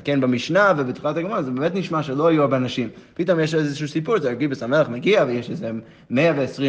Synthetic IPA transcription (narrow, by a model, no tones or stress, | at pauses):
kenbemiʃnavebet̪χilataɡmanzebemetniʃmaʃelo̞ajuaʁbeanaʃimpitomjeʃezeʃuːsipuzaaɡibesameleχmeɡiavejeʃeze | meaveːsʁi